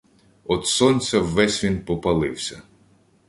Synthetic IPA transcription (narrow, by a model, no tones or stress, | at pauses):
ɔd̪sɔnʲt͡sʲɐwːɛsʲʋʲinpɔpɐlˠɪwsʲɐ̰